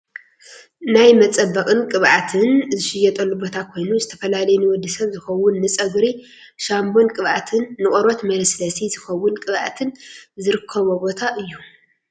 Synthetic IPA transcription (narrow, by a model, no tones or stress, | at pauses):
najmɐt͡sʼɐbːɐkʼɨnkʼɨβʔat̪ʰɨnzɨʃɪjɛt̪ʼɐlːubo̞t̪ʰakʰo̞jnuzɨt̪ʰɐfɐlalɐjunɨwɔd̪ːisɐβzɨxɐwʊnːɨt͡sʼɐɡɾi | ʃambo̞nkʼɨβʔat̪ʰɨnːɨχʼɔɾo̞t̪mɐlɐslɐsizɨxɐwːʊnkʼɨβʔa̰t̪ʰɨnzɨɾɨkʰːɐβubo̞t̪ʰaʔɨjːu